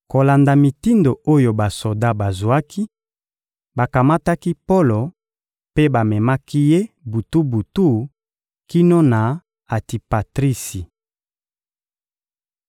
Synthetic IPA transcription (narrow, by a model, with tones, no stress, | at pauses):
ko˨la˨nda˨mi˨ti˦ndo˨o˦jo˨ba˨so˨da˦ba˨zwa˦kʰi˦ | ba˨ka˨ma˦ta˦ki˦po˦lo˨ | pe˦ba˨mɛ˨ma˦ki˦je˦bu˨tu˦bu˨tu˦˨ | ki˦no˦na˨ | a˨ti˨pa˨tʁi˦si˨